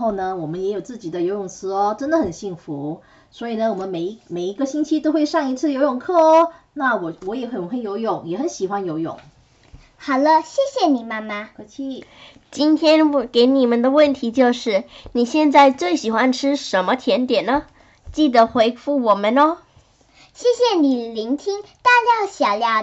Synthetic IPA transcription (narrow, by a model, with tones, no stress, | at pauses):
xo˥˩ʊnə˩wɔ˨˩mə˦njɛ˧˥jo˨˩ʊt͡sɹ̩˥˩t͡ɕi˨˩d̪ə˦jo˧˥ʊjʊ˨˩ŋt͡sʰɹ̩˧˥ɔ˧ʈ͡ʂə˥nd̪ə˨xə˨˩nɕi˥˩ŋfu˧˥˦ | swɔ˧˥i˨˩nə˦wɔ˨˩mə˦nme˨˩ɪ˧˥me˨˩ɪi˧˥ɡə˧ɕi˥nt͡ɕʰi˥t̪o˥ʊxwe˥˧ɪʂɑ˥˧ŋi˧˥t͡sʰɹ̩˥˩jo˧˥ʊjʊ˨˩ŋkʰɤ˥˩na˥˩wɔ˨˩wɔ˨˧˥jɛ˨˧˥xŋxə˧˥njo˧˥ʊjʊ˨˩ŋjɛ˨˧˥xə˧˦nɕi˨˩xwa˦njo˧˥ʊjʊ̰˨˩˦ŋ | xɑ˨˩ʊlə˦ɕjɛ˥˩ɕjɛ˨˩ni˨˩ma˥ma˧kʰt͡ɕʰi˧˥ | t͡ɕi˥nt̪ʰjɛ˥nke˧˥ɪni˨˩mə˨nd̪ə˨wə˥˩nt̪ʰi˧˥t͡ɕjo˥˧ʊʂɻ̩˥˩ni˨˩ɕjɛ˥˧nt͡sa˥˧ɪt͡swe˥˩ɪɕi˨˩xwa˦nʈ͡ʂʰɻ̩˥ʂə˧˥nmə˧t̪ʰjɛ˧˥nt̪jɛ˨˩nnə˦ | t͡ɕi˥˩d̪ə˩xwe˧˥ɪfu˥˩wɔ˨˩mə˦nɔ˥ | ɕjɛ˥˧ɕjɛ˨˩ni˨˩li˧˥ŋt̪ʰi˥ŋ | t̪a˥˧ljɑ˥˩ʊɕjɑ˨˩ʊljɑ˧˥ʊ